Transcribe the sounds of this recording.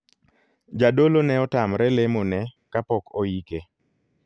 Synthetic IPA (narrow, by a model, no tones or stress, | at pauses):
d͡ʒadolonɛɔtamɾɛlemonɛkapɔkoike